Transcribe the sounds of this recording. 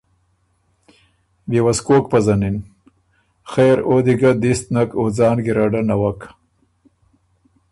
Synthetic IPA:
bewaskoːk̚pazanin | xeːɾoːd̪iɡad̪ist̪nakod͡zɑːnɡiɾaɖanawak

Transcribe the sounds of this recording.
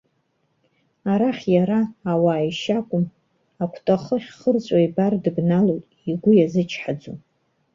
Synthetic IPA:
aɾaχʲjaɾaːwaːjʃakʷʼʊm | akʷʰtʼaχəχʲχərt͡sʷʼaibardɨbnalojtʼ | iɡʷʊjazɨt͡ʃʰħad͡zu

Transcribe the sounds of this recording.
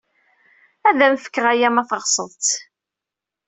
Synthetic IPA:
æðæmfə̥kːəʁæjæmæθəʁsˤə̰ðˤt̪

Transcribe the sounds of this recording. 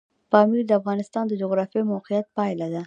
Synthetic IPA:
pɑmiɾd̪əafɣɑnɪst̪ɑnd̪əd͡ʒʊɣɾɑfijemawqijat̪̚pɑjlad̪a

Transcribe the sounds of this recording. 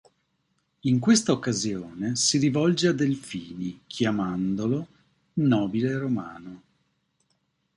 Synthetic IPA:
iŋkwest̪aokːazjoːnesiɾivɔld͡ʒead̪elfiːnikʰjamand̪olo | nɔːbileroma̰ːno

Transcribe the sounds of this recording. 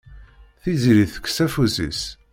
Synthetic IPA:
θiziɾiθə̥kːsæfusḭs

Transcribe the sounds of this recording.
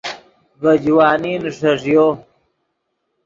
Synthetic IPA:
bɐd͡ʑwaːniːnʂɐʐjo

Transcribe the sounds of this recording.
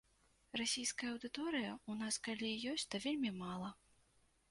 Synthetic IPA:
rasʲijskɐjɐɐwd̪ɨt̪ɔɾɨjɐunaskalʲijɔsʲt͡sʲt̪ɐvʲelʲmʲimalˠɐ

